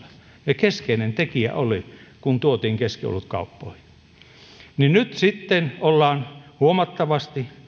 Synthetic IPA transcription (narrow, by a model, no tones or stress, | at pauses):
jɑkeskeinent̪ekiæ̰ʔolikunt̪uot̪iːŋkeskio̰lːut̪kɑ̰upːo̰ihi | ninnyt̪sit̪ːenolːɑːnhuomɑt̪ːɑʋɑst̪i